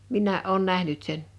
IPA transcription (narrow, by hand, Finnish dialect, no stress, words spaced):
minˑæːʔ ʔoˑun næhnyt sen